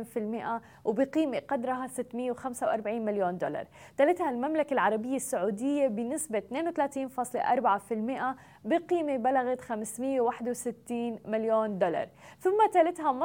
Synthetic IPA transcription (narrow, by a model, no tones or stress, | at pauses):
nfɪlmɪʔa | wbɪqiːmeqɑd̪ɾˤɦasɪt̪ːmɪjːawxamsawʔɑɾˤbaʕiːnmɪljoːnd̪ʊlɑ̰ɾˤ | t̪alɪt̪halmamlakalʕɑɾˤɑbɪjːasːaʕuːd̪ɪjːabɪnɪsbat̪neːnwɪt̪alaːt̪iːnfɑːsˤleʔɑ̰ɾˤbaʕafɪlmɪʔa | bɪqiːmebalaɣat̪xamsmɪjːawaħd̪wsɪt̪ːiːnmɪljoːnd̪ʊlɑ̰ɾˤθʊmːat̪alɪt̪hamɑ